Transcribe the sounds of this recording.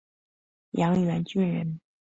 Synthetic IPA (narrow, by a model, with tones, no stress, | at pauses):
jɑ˧˥ŋɥɛ˧˥nt͡ɕy˥˧nɻə˧˥n